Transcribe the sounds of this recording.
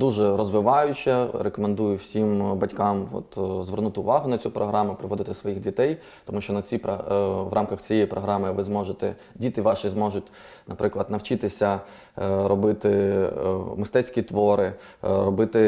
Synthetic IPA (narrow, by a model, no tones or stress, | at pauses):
d̪uʒɛɾɔzʋɪʋɑjʊt͡ʃʲɐɾekɔmend̪ujʊwsʲimbɐtʲkɑmɔ̰t̪zʋernut̪ɪʊʋɑɦʊnɐt͡sʲupɾɔɦɾʔɑmʊpɾɪʋɔd̪ɪt̪ɪsʋɔjixdʲit̪ɛj | t̪ɔmuʃt͡ʃɔnɐt͡sʲipɾɔʋɾʔɑmkɐxt͡sʲijɛjipɾɔɦɾɑmɪʋɪzmɔʒet̪ɛ | dʲit̪ɪʋɑʃizmɔʒʊt̚ʲ | nɐpɾʔɪklˠɐd̪nɐwt͡ʃɪt̪ɪsʲɐ | ɾɔbɪt̪ɪ | mɪst̪ɛt͡sʲsʲkʲit̪ʋɔɾɪɾɔbɪt̪ɪ